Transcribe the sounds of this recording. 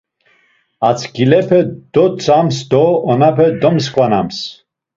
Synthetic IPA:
at͡sʰɡilɛpʰɛd̪̥ɔt͡sʰʼamsd̪ɔɔnapʰɛd̪ɔms̬kʼvana̰ms

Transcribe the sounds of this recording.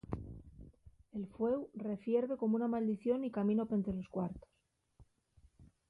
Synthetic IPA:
e̞lfwe̞wre̞fje̞ɾβe̞ko̞mounamald̪iθjo̞nikamĩno̞pe̞nt̪ɾelo̞skwaɾt̪o̥s

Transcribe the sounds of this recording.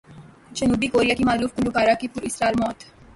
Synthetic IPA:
d͡ʒənuːbikoːɾijaːkimaːluːfkənd̪ukaːɾaːkipʊɾɪsɾaːɪlmɔːt̪

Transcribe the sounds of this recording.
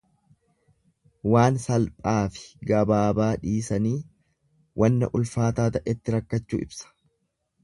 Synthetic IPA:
waːnsɐlpʼaːfɪ̥ɡɐbaːbaːᶑiːsɐniː | wʔɐnːɐ̰ʔʊlfaːt̪aːt̪ɐʔɪt̪ːɪɾɐkːɐt͡ʃːṵːʔɪ̰bsɐ̥

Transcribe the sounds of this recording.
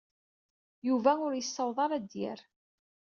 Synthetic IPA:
juvæʊɾjəsːɑwðˤɑɾˤæd̪jɪ̰ɾ

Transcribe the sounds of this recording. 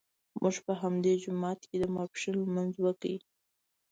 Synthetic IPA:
mʔuʒpəɦamd̪ed͡ʒʊmɑt̪ked̪əmɑpʂinlamanzwəkə̰i

